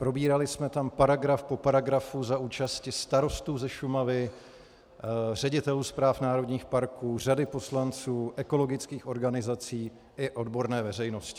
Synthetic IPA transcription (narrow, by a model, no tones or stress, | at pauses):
pɾo̞biːɾalɪsmɛt̪ampaɾaɡɾafpo̞paɾaɡɾafuzaʔuːt͡ʃascɪst̪aɾo̞st̪uːzɛʃumavɪ | r̝ɛɟɪt̪ɛluːspɾaːfnaːɾo̞dɲiːxpaɾkuːr̝adɪpo̞slant͡suːʔɛko̞lo̞ɡɪt͡skiːxo̞ɾɡanɪzat͡siː | ʔɪʔo̞dbo̞ɾnɛːvɛrɛjno̞scɪ̥